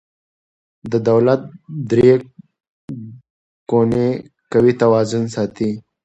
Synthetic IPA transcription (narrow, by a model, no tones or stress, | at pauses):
d̪əd̪awlat̪̚d̪ɾe | kone | kawit̪awɑːzʊnsɑːt̪i